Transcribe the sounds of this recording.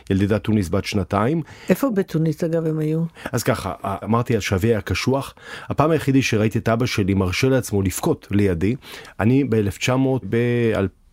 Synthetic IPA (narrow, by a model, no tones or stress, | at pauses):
jald̪idat̪ːunisbat̪ʃnataimefobet̪unisaɡavemajuazkaχa̰ʔamaʁt̪ialʃaveaakaʃuaχhapaːmajeχidiʃeʁait̪ietabaʃe̞limaʁʃeleat͡smo̞lifkotlejadiʔanibeeleft͡ʃamo̞bea̰l